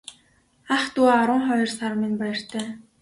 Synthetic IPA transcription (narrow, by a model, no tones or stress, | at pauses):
aχt̪uaaɾə̆ŋχɔjɞ̆rsaɾmĭnpajə̆r̥t̪ʰæː